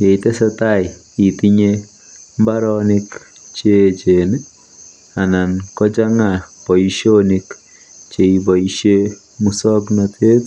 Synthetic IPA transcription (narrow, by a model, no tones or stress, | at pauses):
jeit̪esat̪aj | it̪iɲe | mbaɾɔnik | t͡ʃet͡ʃen | anankɔt͡ʃaŋapɔiʃonik | t͡ʃeibɔiʃe | musɔknat̪ʰet̪